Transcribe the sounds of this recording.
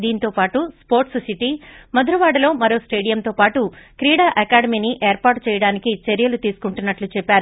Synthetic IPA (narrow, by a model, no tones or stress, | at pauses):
d̪iːnt̪o̞ːpaːʈuspo̞ːɾʈssiʈimɐd̪ɾɐʋaːɽɐlo̞ːmɐɾo̞ːsʈe̞ːɽijɐmt̪o̞ːpaːʈukɾiːɽaːʔɐkaːɽɐmiːniʔeːɾpaːɾʈt͡ʃɛːjɐɽaːnikit͡ʃeɾjɐlut̪iːsu̥kuɳʈunːɐʈlut͡ʃɛpːaːɾu